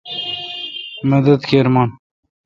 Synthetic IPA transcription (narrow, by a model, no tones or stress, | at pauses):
mɐd̪ɐd̪keːɾmɑːn